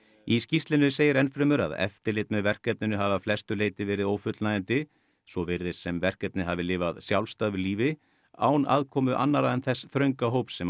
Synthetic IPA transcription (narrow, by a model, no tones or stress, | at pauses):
iscist̪lɪnʏseːjɪɾɛnfɾɪmʏɾa̰ðɛ̰ft̪ɪlɪt̪̚nʏvɛr̥kɛp̚nɪnʏɦaːvaflɛst̪ʏleːjt̪ɪvɛːɾɪðoːwfʏt̪lnaðɪnt̪ɪ | svɔvɪɾðɪsɛmvɛr̥kɛp̚nɪɦavɪlɪːvaðsjawlst̪aðvʏliːvɪ | a̰ːwna̰ːðkʰɔːmʏʔa̰nːaɾaðɛnθɛsːθɾœɥŋkaɦoːwpsɛm